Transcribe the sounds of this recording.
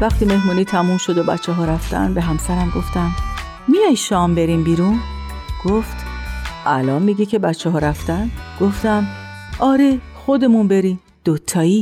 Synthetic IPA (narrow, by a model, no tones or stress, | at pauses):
væxt̪ʰiːme̞hmuːniːt̪ʰæmuːmʃo̞d̪obæ̰tt͡ʃʰːɛɦɒːɾæft̪æ̰nbeɦæmsæɾæmɡo̞ft̪æm | mijɒjʃɒːmbe̞ɾimbiːɾun | ɡ̥oft̪ʔælɒːnmiɟicʰe̞bætt͡ʃʰːɛɦɒːɾæft̪ænɡ̥oft̪æm | ʔɒːɾe | xod̪e̞munbe̞ɾi | d̪̥ot̪ʰːɒːi